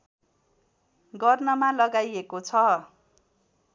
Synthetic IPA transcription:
ɡʌrnʌmalʌɡajekot͡sʰʌ

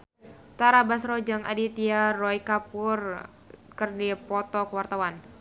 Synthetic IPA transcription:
t̪aɾabasrɔd͡ʒaŋa̰dit̪iarɔikapur | kɨrdipɔt̪ɔkəwart̪awan

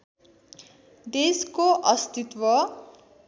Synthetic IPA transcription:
d̪eskoʔʌst̪it̪wʌ

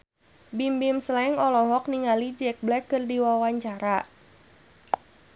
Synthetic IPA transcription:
bimbimslaɪŋɔlɔɦɔk̚niŋalid͡ʒɛk̚blɛkːɨrdiwawaɲt͡ʃaɾa

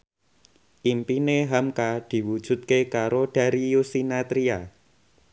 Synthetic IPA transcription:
ʔimpineɦamkad̪̥i̤wud̥ʒ̥ṳt̪̚kekaɾod̥a̤ɾijusinat̪ɾia

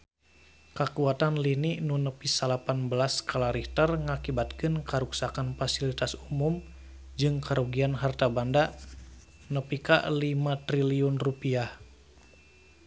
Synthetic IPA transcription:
kəkuat̪anliniʔnunəpisalapanbəlaskʰalaɾiht̪ərŋakibat̪kɨnkaɾuksakanfasilit̪asumum | d͡ʒɨŋkaɾoɡianɦart̪abanda | nəpika̰limat̪ɾiliʊnrupiah

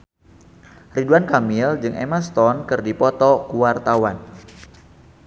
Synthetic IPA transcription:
riduankamild͡ʒɨŋʔḛmast̪ɔnkɨrdipɔt̪ɔkuwart̪awan

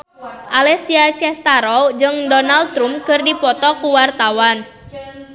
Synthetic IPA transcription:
ʔalɛsiat͡ʃɛst̪aɾɔd͡ʒɨŋdɔnaldt̪ɾumkɨrdipɔt̪ɔkuwart̪awan

